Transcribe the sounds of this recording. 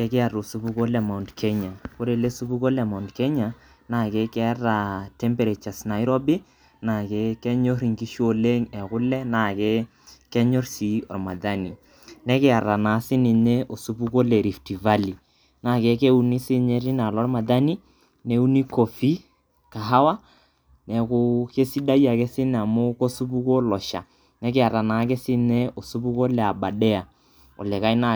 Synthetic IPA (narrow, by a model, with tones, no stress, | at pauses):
kɛ˦kɪ˦a˨ro˨su˦bu˦ko˦lɛ˨ma˨u˨ndkʰɛ˦ɲa˨ko˦ɾe˨le˦su˦bu˦ko˦lɛ˨ma˨u˨ndkɛ˦ɲa˨ | na˦˨ke˦kɛ˦ra˨tɛ˦mpe˨ɾe˨t͡ʃa˨sna˨i˦ɾo˦bi˦ | na˨ke˦kɛ˦ɲo˦ɾi˨ŋki˦ʃo˨le˦ŋɛ˨kʊ˦lɛ˦na˨kɛ˦ | kɛ˦ɲɔ˦rsi˨ɔ̰˨rma˨da˦ni˨ | nɛ˦kɪ˦a˨ɾa˨na˨˦sɪ˦ni˨ɲe˦ʔo˨su˦bu˦ko˦lɛ˨ɾi˨fti˨va˦li˨ | na˦˨kɛ˦ke˦u˦ni˦sɪ˦ɲe˦ɾi˦na˨lɔ˦rma˨da˦ni˦ | ne˨˦u˦ni˦ko˨fi˦ | ka˨ɦa˦wa˦ | nɛ˨kʊ˦ke˦si˦da˦ja˨kɛ˦sɪ˦n˨a˨mʊ˦ko˦su˦pu˦ko˦lɔ˨ʃa̰˨ | nɛ˦kɪ˦a˨ɾa˨na˨˦k̬ɛ˦sɪ˦ne˦o˨su˦bu˦ko˦lɛ˨a˨ba˨dɛ˦a˨ | ɔ̰˨lɛ˨ka˦jna˦